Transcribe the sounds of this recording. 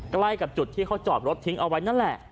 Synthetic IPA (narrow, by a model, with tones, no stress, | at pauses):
kla˧jka˨˩p̚t͡ɕu˨˩t̪ʰːiː˥˩kʰa˦˥wt͡ɕɔː˨˩p̚ɾo˦˥t̪ʰːi˦˥ŋʔa˧wa˦˥jna˥˩nlɛ˨˩ʔ